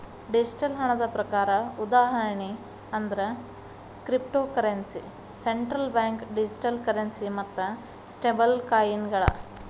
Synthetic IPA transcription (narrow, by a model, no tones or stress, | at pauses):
ɖid͡ʒiʈɐlɦɐɳɐd̪ɐpɾɐkaːɾɐud̪aːɦɐɾɐɳi | ɐnd̪ɐɾe | kɾipʈoːkɐɾensḭ | seɳʈɾɐlbjaːŋkɖid͡ʒiʈɐlkɐɾɐnsimɐt̪ːɐ | sʈebɐlkaːjinɡɐɭɐ̰